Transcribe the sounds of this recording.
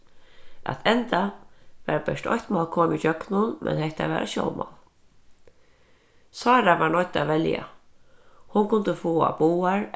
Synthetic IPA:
ʔa̰t̪ʰɛnt̪aʋɛɾbɛʂtɔ̰çht̪mɑːlkʰoːmit͡ʃœknʊnmʔɛ̰nhɛht̪aʋɛ̰ːɾaʃjɔ̰w̪mʔɑ̰l | sɑːɾaʋaɹɳɔjt̪aʋɛlja̰ | hʊŋkʰʊnt̪əfoːa̰buːaɹ

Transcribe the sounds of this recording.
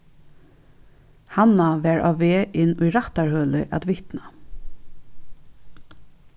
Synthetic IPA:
hanaʋæːɹʔa̰ːʋeːʔɪnːʊjɾaht̪aɹhœːlɪ̰ʔæ̰t̪ʋɪht̪na

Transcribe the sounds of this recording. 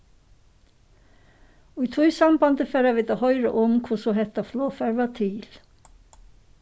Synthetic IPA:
oiːt̪ʰuːsɑmbɑnd̪əfeːɾɑʋiːd̪ɑːhœʏɾə̰ʔʊmkʰʊsɔːhɛt̪ɑfloːfæɾʋɑt̪ʰiːl

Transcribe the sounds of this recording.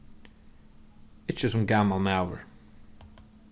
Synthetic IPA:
ɪt͡ʃəsʊmɡamalˠmawə̰ɹ

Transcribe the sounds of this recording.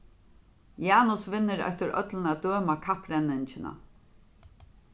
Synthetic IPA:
jaːnʊsvɪnːɪɾœ̰ht̪ɪɾœ̰t̪lɪnad̪øːmakʰapɾɛnːɪnt͡ʃɪna̰

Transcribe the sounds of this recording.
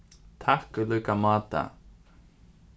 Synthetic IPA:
t̪ʰahkʏlœːkamaːt̪a̰

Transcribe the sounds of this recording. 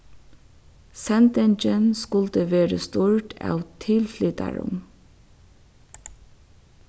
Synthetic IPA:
sɛnt̪ɛnd͡ʒənskʊlt̪əʋeːɾə̰st̪uːɹʈɑ̰ʋt̪ʰɪlflʏd̪æ̰ɹʊ̰m

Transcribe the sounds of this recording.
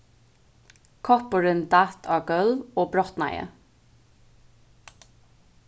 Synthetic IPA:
kʰɔpəɹɪnd̪at̪ʰɑːɡœloːbɾɔht̪na̰ɪə̰

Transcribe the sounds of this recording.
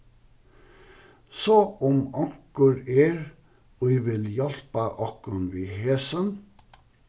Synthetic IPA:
soɔmɑŋkəɾeːɾ | oiʋɪljɛlpɑʔɑkənʋiːheːsən

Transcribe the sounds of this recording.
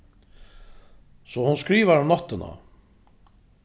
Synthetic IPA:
sɔhunskɾiːvaɾnɔht̪ːɪna̰

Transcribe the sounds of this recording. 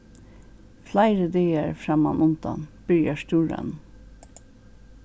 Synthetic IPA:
flæɪɾəd̪eːəɹfɹɑmɑmʔʊnt̪ɑ̰nb̥ʏɹjɑʃt̪uːɹɑ̰n

